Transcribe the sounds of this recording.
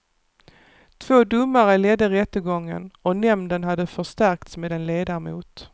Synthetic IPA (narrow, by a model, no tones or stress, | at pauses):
t̪ʰv̥oːd̪ɵmːaɾəlɛd̪ːəɾɛt̪ːəɡɔŋːə̰nɔnɛmd̪ənɦad̪ːəfœʂt̪æɾkt̪smeːd̪ɛnleːd̪aɾmṵːt̪